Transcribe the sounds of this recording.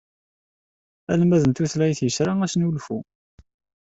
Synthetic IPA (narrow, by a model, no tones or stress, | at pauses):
æ̰lmæðənt̪uθlæjθjəsɾaæsnulfu